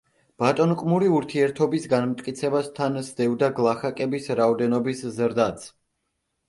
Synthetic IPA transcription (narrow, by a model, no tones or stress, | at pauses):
b̥at̪ʼɔnqʼmuɾiuɾt̪ʰiɛɾt̪ʰɔbisɡanmt̪ʼkʼit̪sʰɛbast̪ʰansd̪ɛvd̪aɡlˠaχakʼɛbisɾaɔd̪ɛnɔbiszɾd̪at̪sʰ